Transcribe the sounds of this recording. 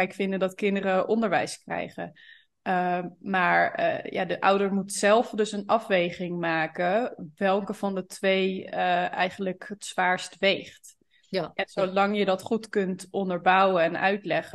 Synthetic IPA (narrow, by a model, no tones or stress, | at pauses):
ɪkfɪndədɑtkɪndəɾəʔɔndəɹʋɛ̰jskrɛ̰jχə̰ | maːɹ̰ja̰ːdəʔʌwdəɹmutsɛlˠfdɵsənɑfʋejχɪŋmaːkəʋɛlˠkəvɑndətʋejəɛ̰jχən̩ləkɦətsʋaːɹstʋejχt | ɛnsolɑŋjədɑtχutkɵntʔɔndəɹbʌwəɛnœ̰ɥtlɛχə